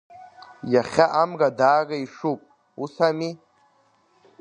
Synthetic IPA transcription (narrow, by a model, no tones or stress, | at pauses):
jaχʲaʔamɡadaːraiʂupʼ | usami